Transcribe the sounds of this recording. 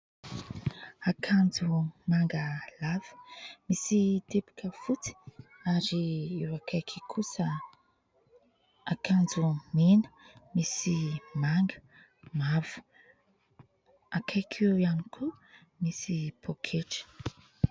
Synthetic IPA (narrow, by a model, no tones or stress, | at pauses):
akʰand͡zumaŋɡəlav̥ə̥misit̪epi̥kʰəfut͡si̥ | aɾiewakʰajkʰikʰusə | akʰand͡zuminə̥misimaŋɡə̥ | mav̥u̥ | akʰajkʰewanikʰu | misipʰokʰeʈ͡ʂə̥